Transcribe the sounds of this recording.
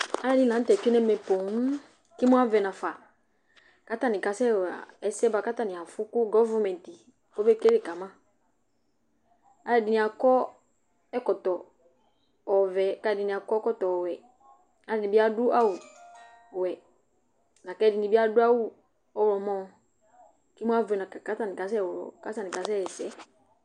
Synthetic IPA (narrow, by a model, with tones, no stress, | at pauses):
a˦ɛ˦˨dɪ˨˦˨lã˨n̩˦tɛ˨t͡ʃi˦nɛ˦mɛ˨po˨˦ŋ̩˦ | ki˦mʊ̃˦a˦vɛ˨nã˨fa˨ | ka˦ta˦nɪ̃˨ka˨sɛ˦˨a̰˨ɛ˦sɛ˦ba˨˦ka˦ta˦nɪ̃˨a˨fʊ˦kʊ˦ɡɔ˦va˦mɛ̃˨n˨ti˨ | o˦be˦ke˦ɾe˦˨ka˨mã˦ | a˦ɛ˨dɪ˨nɪ̃˨a˨kɔ˦ | ɛ˦kɔ˨tɔ˨ | ɔ˨vɛ˨˦ka˦˨dɪ˨nɪ̃˨a˨kɔ˦ɛ˦kɔ˦tɔ˨wɛ˨ | a˨dɪ˨nɪ˨bi˦a˦dʊ˦ʔa˦wʊ˨ | wɛ˨ | nã˨kɛ˦dɪ˨nɪ̃˨bi˦a˦dʊ˦a˦wʊ˦˨ | ɔ˦wɔ˨mɔ̃˦ | ki˦mu˦a˦ve˨nã˨ka˨ka˦ta˨nɪ̃˨ka˨˦s̬ɛ˦˨wʊ˨ɾɔ̰˨ka˦ta˦˨nɪ˨ka˨s̬ɛ˦ɛ˨sɛ˦